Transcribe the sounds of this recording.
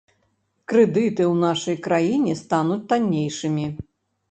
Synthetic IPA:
kɾɛd̪ɨt̪ɨwnaʂɐjkɾajinʲɛst̪anut͡sʲt̪anʲːejʂɨmʲi

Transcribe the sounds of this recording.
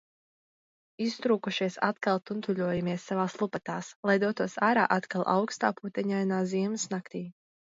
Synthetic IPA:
ist̪ɾuːkuʃiɛsat̪kalˠt̪unt̪uʎʲuɔjamiɛsːavaːslˠupat̪aːslˠajd̪uɔt̪uɔsaːɾa̰ːʔat̪kalˠʔa̰wkst̪aːput̪ɛɲajnaːziɛmɨsnakt̪iː

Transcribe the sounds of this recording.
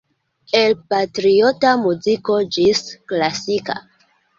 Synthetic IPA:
elpatɾio̞tamuziko̞d͡ʒisklasika̰

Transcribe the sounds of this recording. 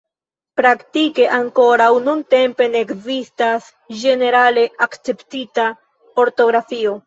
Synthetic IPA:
pɾaktike̞ʔaŋko̞ɾawnunte̞mpe̞neːkzistas | d͡ʒe̞ne̞ɾale̞akt͡se̞ptita | o̞ɾto̞ɡɾafio̞

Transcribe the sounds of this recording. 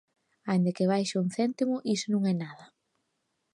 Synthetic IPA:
ajnd̪ekɪβajʃauŋθɛnt̪imʊʔisʊnũŋɛnaðɐ

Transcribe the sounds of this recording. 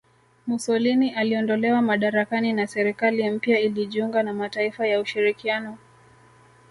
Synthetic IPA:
musɔliniʔaliɔndɔlɛwamaɗaɾakaninasɛɾikalim̩pjailiʄiuŋɡanamataifajauʃiɾikianɔ

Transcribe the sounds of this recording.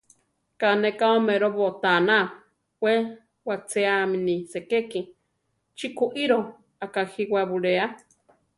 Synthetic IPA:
kanekaomeɾoβot̪ana | we | wat͡seaminisekeki | t͡ʃikuʔiɾo | akahiwaβuɾea

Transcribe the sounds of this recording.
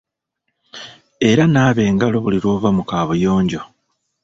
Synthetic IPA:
e̞ɾanaːβe̞ːŋɡalo̞βuliɾo̞ːβamukaːβojo̞ːɲɟo̞

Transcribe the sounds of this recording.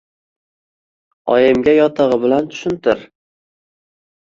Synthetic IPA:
ɒjɪmɡʲajɒt̪ʰɑʁɨbɪlant̪ʰʊ̥ʃʊnt̪ʰɪɾ

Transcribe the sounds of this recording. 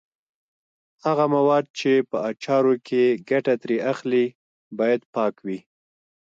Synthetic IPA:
haɣamawɑd̪̚t͡ʃepəat͡ʃɑɾokʰeɡaʈat̪ɾeaxli | bɑjad̪pɑkwi

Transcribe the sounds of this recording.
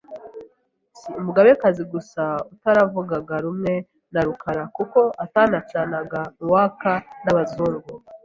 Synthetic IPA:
siumuɡaβekaziɡusautaɾavuɡaɡaɾumŋe̞ | naɾukʰaɾakuko̞ʔatanat͡ʃanaɡauwaːkanaβazuːŋɡu

